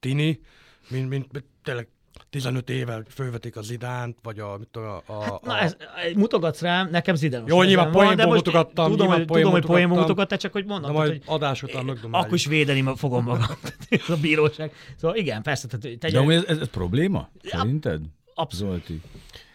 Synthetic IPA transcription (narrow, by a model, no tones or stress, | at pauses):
t̪iniminmint̪mt̪eːlːɛɡ̚ | t̪izɛnøt̪eːvɛlfølvɛt̪ikɒzid̪aːnt̪vɒɟɒmit̪ːohanɒɛzɛmut̪o̞ɡɒt̪sraːnɛkɛmzid̪ɛnojoːɲilvamoemd̪ɛmout̪oɡt̪ːɒud̪omhtp̪ud̪omhojt̪pojembomut̪o̞ɡɒt̪ːaːt͡ʃɒkhoɟmond̪omajhoɒd̪aːʃoøɡd̪omɒkːoɾiʃʋeːd̪ɛnimfo̞ɡo̞mːɒɡɒmt̪ːt̪zɒbiːɾoːʃaːɡ̚soːvɒliɡɛnfɛrsɛt̪ɛt̪t̪ɛɛmuɛzɛzɛspro̞̰bleːmɒ̰sɛ̰ɾint̪ɛ̰d̪ | ɒpsolt̪i